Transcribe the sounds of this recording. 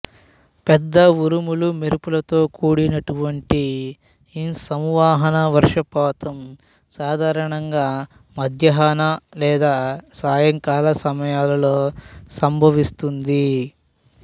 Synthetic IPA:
pɛd̪ːɐʋuɾumulumiɾupulɐt̪o̞ːkuːɽinɐʈuʋɐɳʈi | insɐmʋaːɦɐnɐʋɐɾʂɐpɔːt̪ɐm | saːd̪ʱaːɾɐɳɐŋɡaː | mɐd̪ʱjɐɦaːnalɛːd̪aːsaːjɐŋkaːlɐsɐmɐjaːlɐlo̞ːsɐmbʱɐʋist̪und̪i

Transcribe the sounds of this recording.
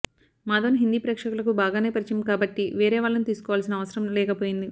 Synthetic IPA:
maːd̪ɐːnɦind̪iːpɾɛːkʂɐkulɐkubaːɡaːneːpɐɾit͡ʃɐmkaːbɐʈːiʋɛːɾɛːʋaːɭːɐnut̪iːsu̥kɔːʋaːls̬inɐːʋɐsɐɾɐmlɛːkɐpoːjind̪i

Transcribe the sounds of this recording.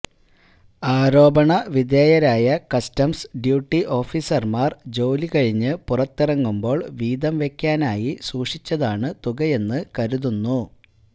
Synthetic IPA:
aːɾo̞ːbɐɳɐʋid̪jeːjɐɾaːjɐkɐstɐmsɖjuːʈːiʔo̞ːfisɐrmaːrd͡ʑo̞ːlikɐɻiɲːɨpurɐt̪ːirɐŋːumbo̞ːɭʋiːd̪ɐmʋe̞kʲːaːnaːjisuːʂit͡ɕːɐðaːɳɨt̪uɣɐje̞nːɨkɐɾuðunːu

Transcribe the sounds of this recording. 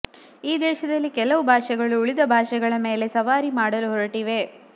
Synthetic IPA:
iːd̪ɛːʃɐd̪ɐlːikɛlɐʋubʱaːʂɛɡɐɭuːɭid̪ɐbʱaːʂɛɡɐɭɐme̞ːle̞sɐʋaːɾimaːɽɐluɦɔɾɐʈiʋe̞

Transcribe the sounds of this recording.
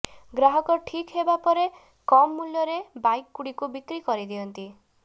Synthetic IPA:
ɡɾaɦɔkɔʈʰikɦebapɔɾe | kɔmːuljɔɾebajkːuɽikubikɾikɔɾid̪iɔnt̪i

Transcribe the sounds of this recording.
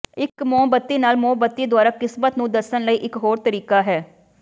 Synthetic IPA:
ɪkmɔ̃ːbət̪ːiːnaːlmõːbət̪ːiːd̪ʊwaːɾaːkɪsmət̪nũːd̪əsənləiːʔɪkɦoːɾt̪əɾiːkaːɦɛː

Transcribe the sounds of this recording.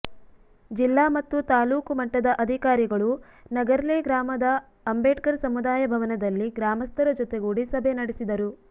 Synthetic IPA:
d͡ʒilːaːmɐt̪ːut̪aːluːkumɐʈːɐd̪ɐʔɐd̪ʱikaːɾiɡɐɭu | nɐɡɐɾleːɡɾaːmɐd̪ɐː | mbeːʈkɐɾsɐmud̪aːjɐbʱɐʋɐnɐd̪ɐlːiɡɾaːmɐst̪ɐɾɐd͡ʒɔt̪eɡoːɽisɐbʱenɐɽesid̪ɐɾu

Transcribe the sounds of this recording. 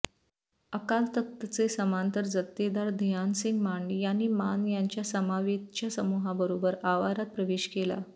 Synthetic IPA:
əkalt̪ək̚t̪ət͡sesəmãnt̪əɾd͡zət̪ːed̪aɾd̪ʱjansiŋɡmaɳɖjanːiːmanjaɲt͡ɕjasəmaʋet̪t͡ɕjasəmuɦãbəɾobəɾaʋaɾat̪̚pɾəʋeɕkela̰

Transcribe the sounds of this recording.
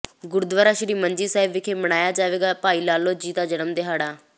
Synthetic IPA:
ɡʊɾʊd̪ʋaːɾaːʃɪɾiːmə̃ɲd͡ʒiːsaːɪbɪkʰeːbəɽ̃aːjaːd͡ʒaːʋeːɡaːpaːiːlaːloːd͡ʒiːt̪aːd͡ʒənəmd̪eɦaːɽaː

